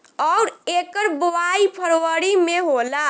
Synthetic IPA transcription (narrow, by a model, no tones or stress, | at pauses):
ɔwɾekəɾboaipʰəɾwəɾimeɦola